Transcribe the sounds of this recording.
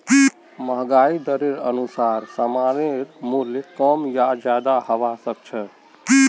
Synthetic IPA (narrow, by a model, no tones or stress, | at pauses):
məɦɡaid̪əɾeɾə̰nusaɾsəmaɾeɾmuljekəmjad͡ʒjad̪ahəʋasək̚t͡ʃʰə